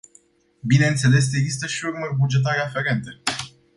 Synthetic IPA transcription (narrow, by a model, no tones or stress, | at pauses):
bine̞ɨnt̪se̞le̞s̬e̞ɡzist̪əʃiurmərʲbud͡ʒe̞t̪̬aɾeafe̞ɾe̞nt̪e̞